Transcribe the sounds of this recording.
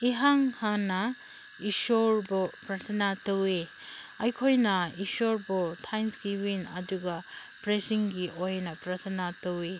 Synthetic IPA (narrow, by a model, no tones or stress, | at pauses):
iɦaŋhanɐ | isoɾbɔpɾɐtʰɐnatɐwe | ɐjkʰojnɐiʃoɾbɔtʰajnsɡiwinɐduɡɐ | pɾesiŋɡiʔojnɐpɾɐtʰɐnatɐwe